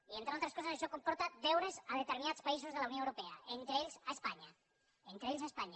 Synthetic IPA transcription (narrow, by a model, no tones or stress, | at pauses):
ient̪ɾeolt̪ɾeskosaseʃokompɔɾt̪ad̪ewɾezaðet̪eɾminat̪t͡spais̬ozðelaunjõewɾopeaent̪ɾeeʎsaespaɲa | ent̪ɾeeʎs̬aespaɲa